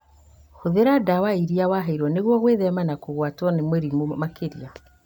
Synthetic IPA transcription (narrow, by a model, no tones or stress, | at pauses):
hoðeɾadawaiɾiawaɦaiɾwɔneɣwɔɣweðɛmanakoɣwatwɔnemeɾimomakeɾia